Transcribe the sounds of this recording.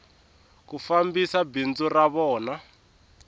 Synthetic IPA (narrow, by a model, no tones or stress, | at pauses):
kufambisabind͡zuraβɔːna